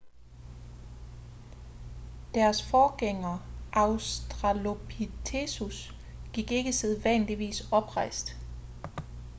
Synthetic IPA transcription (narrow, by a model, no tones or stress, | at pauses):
d̥æɐsfɒːɡ̥eŋɐʔɑ̈ʊsd̥ʁɑlo̝pʰit͡sʰesus | ɡ̥iɡ̥e̝ɡ̥əseðˠʋæn̰liʋḭːsɒ̽b̥ʁɑ̈ɪ̰sd̥